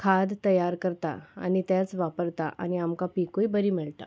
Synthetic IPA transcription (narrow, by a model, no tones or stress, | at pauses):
kʰad̪t̪əjaɾkəɾt̪a̰a̰ñit̪jat͡sʋapəɾt̪a̰ʔa̰ñiamkapikoibəɾiːmiɭt̪a̰